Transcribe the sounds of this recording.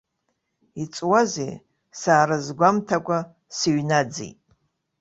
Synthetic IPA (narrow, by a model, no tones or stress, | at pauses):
it͡sʼwazḛ | saːɾazɡʷamtʰakʷʼa | siɥnad͡zḭjtʼ